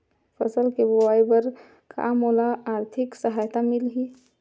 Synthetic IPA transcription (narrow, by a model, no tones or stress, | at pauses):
fəsəlkebowaːjbəɾ | ka̰ːmoːlaaːɾt̪ʰɪksəɦaːjt̪amɪlɦiː